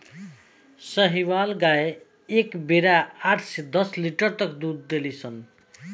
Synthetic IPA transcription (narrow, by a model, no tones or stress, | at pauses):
sʌɦiwalɡae | ekbeɾaaʈʰsed̪ʌsliʈʌɾt̪ʌkd̪ud̪ːelit͡sʰʌn